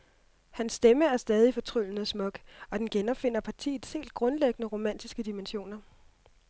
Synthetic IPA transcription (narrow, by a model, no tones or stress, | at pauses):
hænsːd̥eməæɐsd̥ɛːð̞ˠifɒ̽t͡sʰʁyl̰ən̩əsmɔ̽ɡ̥ɒ̽d̥enɡ̥enɒ̽b̥fe̝n̰ɐpʰɑ̈t͡sʰḭːð̩ˠse̝̰ːld̥̚ɡ̥ʁɔ̽nleɡ̥ənəʁo̝mæn̰d̥isɡ̥əd̥imenɕo̝̰ːnɐ